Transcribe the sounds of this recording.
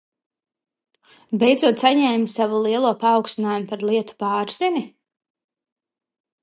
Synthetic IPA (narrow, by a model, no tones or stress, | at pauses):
bɛjd̪zuɔt̪saɲɛːmasavulˠiɛlˠuɔpaːwkst̪inaːjumpaɾlˠiɛt̪u̥paːɾz̥ini